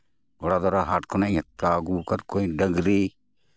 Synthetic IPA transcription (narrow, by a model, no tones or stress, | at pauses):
boɽaːd̪ɔɾaɦaːʈkonaĩaːɡuːkɐɾkoːĩːɖɐɡɾiː